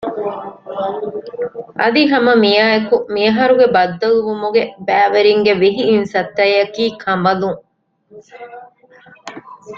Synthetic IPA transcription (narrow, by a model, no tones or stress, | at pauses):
ʔɐd̪iɦɐmɐmijaːekumiɐɦɐɾuɡebɐd̪ːɐluʋumuɡebæːʋeɾiŋɡeʋiɦiːnsɐt̪ːɐjɐkiːkʰɐmɐluŋ